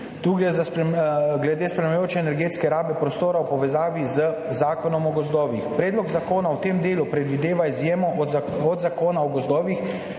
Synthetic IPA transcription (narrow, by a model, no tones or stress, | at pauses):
t̪uɡɾɛzapɡlɛd̪eːspɾɛmɛjoːt͡ʃɛːnɛɾɡeːt̪skɛɾaːbɛpɾɔst̪oːɾaɔpɔʋɛzaːʋizəzaːkɔnɔmɔɡɔzd̪ɔːʋḭxpɾɛːd̪lɔɡzakoːnawt̪eːmd̪eːlupɾɛd̪ʋid̪eːʋaizjeːmɔɔd̪zakoːnaɔɡɔzd̪ɔːʋix